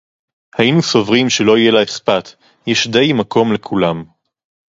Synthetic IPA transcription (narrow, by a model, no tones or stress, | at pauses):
hajinuso̞vʁimʃelo̞ijelaespat̪ | jɛʃd̪e̞jmako̞mle̞kʰulam